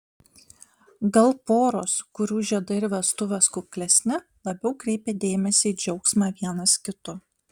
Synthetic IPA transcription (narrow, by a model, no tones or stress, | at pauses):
ɡɐlˠpoːɾoːskʊɾʲuːʒʲiɛd̪ɐɪɾʲʋʲɛst̪ʊʋʲɛskʊkʲlʲɛsʲnʲɪ | lˠɐbʲɛʊkɾʲɛɪpʲeːd̪ʲeːmʲɛsʲeɪd͡ʒʲɛʊksmɑːʋʲiɛnɐskʲɪt̪ʊ